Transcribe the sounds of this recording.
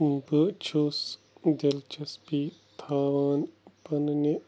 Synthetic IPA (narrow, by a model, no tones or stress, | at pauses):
bət͡ʃʰoːs | d̪ɐlt͡ʃɐspit̪ʰaːʋaːnpɐnne